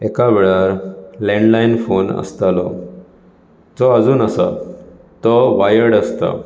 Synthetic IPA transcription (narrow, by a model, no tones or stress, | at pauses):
ekaʋeɭaɾlɛ̃ɳɖlainfonə̰st̪alɔ | d͡zɔəd͡zuːnəsa̰ | t̪ɔʋajəɽəst̪a̰